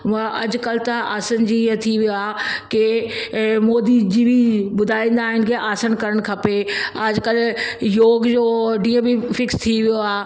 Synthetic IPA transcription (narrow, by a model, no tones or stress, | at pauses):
ʋɐ̃ʔɐd͡ʑkɐlt̪aʔaːsənd͡ʑiə̃t̪ʰiʋijoaːke | moːd̪id͡ʑiʋibʊd̪ʱaːĩːnd̪aːɦɪnɪ̆kʰeʔaːsənkɐɾəɽ̃kʰɐpeɐd͡ʑkɐljoːɡd͡ʑoːɖĩːə̃bɪfɪkst̪ʰiʋijoaː